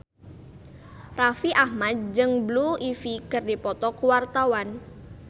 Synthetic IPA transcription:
rafiʔahmad̪̚d͡ʒɨŋbluifikɨrdipɔt̪ɔkuwart̪awan

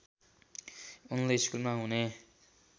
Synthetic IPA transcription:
unleiskulmaɦune

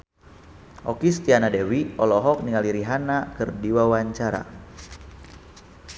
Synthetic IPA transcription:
ʔɔkist̪ianadewiɔlɔɦɔk̚niŋaliɾiɦanakɨrdiwawaɲt͡ʃaɾa̰

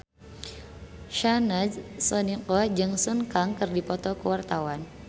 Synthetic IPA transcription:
ʃanadsɔniqɔd͡ʒɨŋsənkaŋkɨrdipɔt̪ɔkəwart̪awan

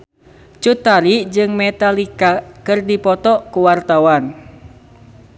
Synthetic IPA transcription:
t͡ʃut̪aɾid͡ʒɨŋmɛt̪alikakɨrdipɔt̪ɔkuwart̪awan

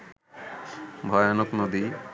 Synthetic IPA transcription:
bʱɔjonoknod̪i

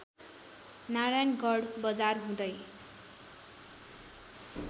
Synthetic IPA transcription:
naɾajnɡʌɽbʌd͡zarɦũd̪ʌj

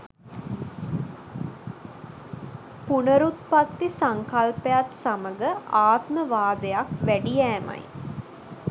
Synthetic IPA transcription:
punəɾut̪̚pat̪ːisaŋkalpəjat̪saməɡəʔaːt̪məʋaːd̪əjakʋæɖijæːma̰j

